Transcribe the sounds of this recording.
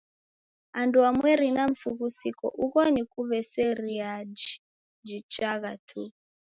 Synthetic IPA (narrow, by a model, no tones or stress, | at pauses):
anduamwɛɾinaɱfukusikɔ̰ʔukɔnikuβɛsɛɾiad͡ʒi | d͡ʒit͡ʃaɣatʰu